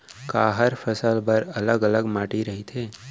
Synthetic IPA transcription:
kaɦəɾfəsəlbəɾələɡələɡmaʈiɾəɦit̪ʰe

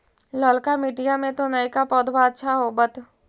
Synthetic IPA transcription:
lɔːlkamiːʈijamẽt̪onaːikapɔːd̪bʱaətːʃʰaɦobət̪

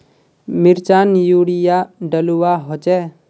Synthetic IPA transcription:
mɪɾt͡ʃaːnjuːɽijaɖəluaɦot͡ʃɛ

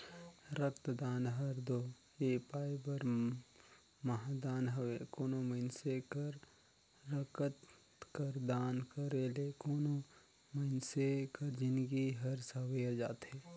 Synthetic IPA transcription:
ɾəkt̪d̪aːnɦəɾd̪oː | eːpaːjbəɾ | mɐɦd̪aːnɦəwekoːnoməɪnsekəɾ | ɾəkət̪ | kəɾd̪aːnkəɾelekoːno | mənsekəɾd͡ʒɪnɡiɦəɾsəʋead͡ʒa̰ːt̪ɦeː

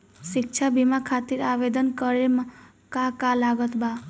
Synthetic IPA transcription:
sik̚t͡ʃʰabʱimakʰat̪iɾabed̪ʌnkʌɾema | kakalaɡʌt̪ba

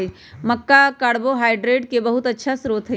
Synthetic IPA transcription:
mɐkːakaːɽboɦaːɪɖɾeːʈkebɐɦʊt̪ɐtːʃʰasɾuːt̪ɦɛ

